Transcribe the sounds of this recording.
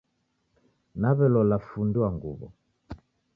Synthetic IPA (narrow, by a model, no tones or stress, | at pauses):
naβɛlɔlafunduaŋɡṵβɔ̰